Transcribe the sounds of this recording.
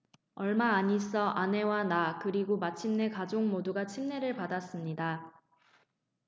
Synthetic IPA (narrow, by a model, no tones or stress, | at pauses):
ʌɭmaːɲis͈ʌʔane̞wanakɯɾiɡomat͡ɕʰimne̞kad͡ʑoŋmoduɡat͡ɕʰimne̞ɾɯɭpadas͈ɯmɲida